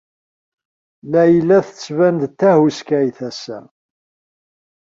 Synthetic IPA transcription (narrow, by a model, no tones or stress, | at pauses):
læjəlːæθət͡sːvænd̪t̪ːæhuskæjθæsæ̰